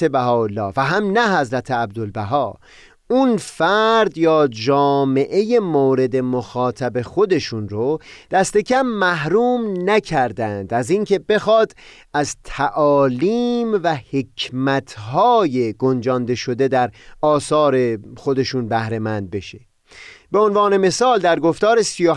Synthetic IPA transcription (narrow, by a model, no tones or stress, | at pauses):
ebæɦɒːolːɒːvæɦæmnæɦæzɾæt̪ʰeæb̚d̪olbæɦɒː | unfæɾd̪jɒːd͡ʒɒːme̞ʔe̞je̞moːɾe̞d̪e̞moxɒːt̪ʰæbe̞xo̞d̪e̞ʃunɾod̪̥æst̪e̞cʰæmːæɦɾuːmnæcʰæɾd̪ænd̪æziːŋcʰe̞be̞xɒːd̪ | æzt̪ʰæʔɒːliːmvæhe̞cʰmæt̪ʰɦɒːje̞ɡo̞nd͡ʒɒnd̪e̞ʃo̞d̪e̞d̪æɾɒːsɒːɾe̞xo̞d̪e̞ʃunbæhɾe̞mænd̪̚be̞ʃe | b̥e̞o̞nvɒːne̞me̞sɒːld̪æɾɡo̞ft̪ɒːɾe̞sijo